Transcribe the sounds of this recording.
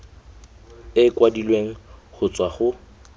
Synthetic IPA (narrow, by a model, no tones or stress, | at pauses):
ɪkwadilweŋ̩χʊt͡sʼwaχʊ